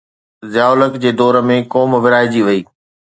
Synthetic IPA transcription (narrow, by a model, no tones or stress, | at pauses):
zjaːʊləkd͡ʑeːd̪ɔːɾə̆mẽkɔːmʋɪɾaːɦid͡ʑiʋɐiː